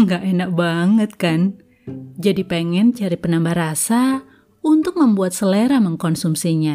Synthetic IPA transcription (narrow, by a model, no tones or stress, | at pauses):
ŋɡaʔenak̚baŋət̪̚kan | d͡ʒadipeŋɛnt͡ʃaɾipənambahɾasa | unt̪ʊk̚məmbuat̪̚səleɾaməŋkɔnsumsiɲa